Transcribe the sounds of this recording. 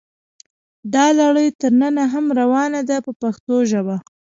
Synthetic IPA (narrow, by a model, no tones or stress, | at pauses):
d̪ɑlaɽəjt̪əɾnənaɦamɾawɑnad̪apəpaxt̪oʒəba